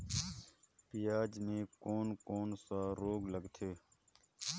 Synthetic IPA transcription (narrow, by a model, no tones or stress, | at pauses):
pijaːd͡ʒmẽːkoːnkoːnsaːɾoːɡləɡt̪ʰeː